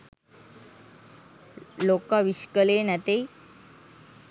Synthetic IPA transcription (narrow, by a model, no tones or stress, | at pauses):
lokãʋiɕkəlenat̪e